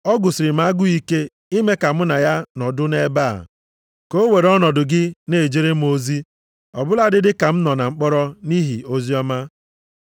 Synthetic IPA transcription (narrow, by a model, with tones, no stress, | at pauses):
ɔ˦ɡʊ˨sɪ˨ɾɪ˨m̩˦a˦ɡʊ˦i˦ke˦ | i˦me˦ka˨mʊ˦na˨ja˦nɔ˨dʊ˦ne˦ba˦˨a̰˨ | ko˦we˨ɾɔ˦nɔ˨dʊ˨ɡɪ˦ne˨d͡ʒe˦ɾe˦m˦o˦zi˦ | ɔ̰˨bʊ˦la˦˨dɪ˦dɪ˦ka˨m̩˦nɔ˨na˨ŋ͡m̩˦k͡pɔ˦ɾɔ˦ni˦ɦḭ˨o˦zi˦ɔ˦ma˦